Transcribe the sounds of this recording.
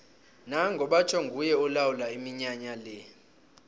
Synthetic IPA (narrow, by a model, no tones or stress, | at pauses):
naŋɡʱɔɓat͡ʃʰɔŋɡʱujɛɔlawulaimiɲaɲalɛ